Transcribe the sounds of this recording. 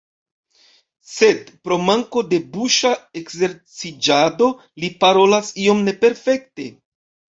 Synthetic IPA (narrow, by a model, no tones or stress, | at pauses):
se̞dpɾo̞maŋko̞de̞buʃae̞kze̞ɾt͡sid͡ʒado̞ | lipaɾo̞lasio̞mne̞pe̞ɾfe̞k̚te̞